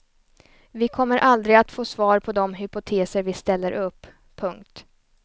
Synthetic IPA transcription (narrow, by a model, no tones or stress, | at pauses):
vɪkʰɔmːəɾʔald̪ɾɪɡat̪foːsvɑːɾpʰɔd̪ɔmɦʏpʊt̪ʰeːsəɾvɪst̪ɛlːəɾʔɵpːʰ | ɵŋkt̪